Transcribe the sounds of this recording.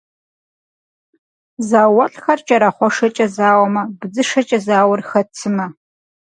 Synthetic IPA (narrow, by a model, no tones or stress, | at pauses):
zaːwɐɬʼxɐrt͡ʃʼɐɾɐχʷɔʂɐt͡ʃʼɐzaːwɔmɐbɨd͡zɨʂɐt͡ʃʼɐzaːwʊrxɐt͡sʰɨmɐ